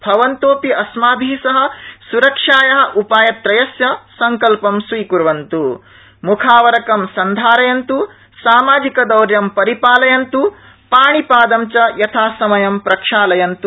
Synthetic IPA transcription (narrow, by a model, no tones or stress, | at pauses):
bʱɐʋɐnt̪oːpiʔɐsmaːbʱiːsɐɦɐ̆suɾɐkʂaːjɐɦɐ̆ʔupaːjɐt̪ɾɐjɐsjɐsɐŋkɐlpɐmsʋiːkuɾʋɐnt̪u | mukʰaːʋɐɾɐkɐmsɐnd̪ʱaːɾɐjɐnt̪u | saːmaːd͡ʒikɐd̪ɐwɾjɐmpɐɾipaːlɐjɐnt̪u | paːɳipaːd̪ɐmt͡ʃɐjɐt̪ʰaːsɐmɐjɐmpɾɐkʂaːlɐjɐnt̪u